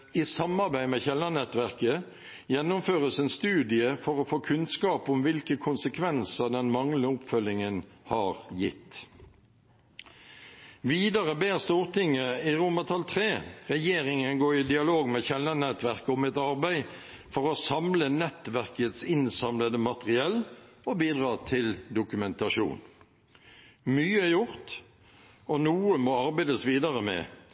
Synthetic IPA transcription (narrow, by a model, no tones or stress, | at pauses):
isɑmɑʁbæɪmeːçɛlːɑnɛt̪ʋæʁkə | jɛnːʊmføːʁəsɛnst̪ʉːd̪ɪəfɔʁɔfoːkʰʉnskɑːpʊmʋɪlkəkʰʊnsəkʰʋɛnsəd̪ɛnmɑŋləʊpfœlɪŋənhɑːʁjɪ̰t̪ː | ʋiːd̪ɑʁəbeːʁst̪uːʁt̪ɪŋːəiʁʊmɑt̪ʰɑlt̪ʰʁeːʁɛjeːʁɪŋənɡoːɾɪd̪ɪɑloːɡmeçɛlːənɛt̪ʋæʁkʊmɛt̪ɑʁbæɪ | fɔʁɔsɑmlənɛt̪ʋæʁkət̪sɪnsɑmləd̪əmɑt̪əʁɪɛlɔbiːd̪ʁɑːt̪ʰɪld̪ʊkʉmɛnt̪ɑʃṵːn | myːəæjʊʁt̪ | ɔnuːəmoːɑʁbæɪd̪əsʋiːd̪ɑʁəmɛ̰ː